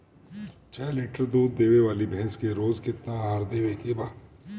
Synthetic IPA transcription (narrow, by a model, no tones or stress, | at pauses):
t͡ʃʰɛːlɪʈəɾd̪uːd̪̚ːeːʋeʋaːlibʱɛ̃ɦɛ̃skeɾoːzkɪt̪naɦaːɾd̪eːʋekebaː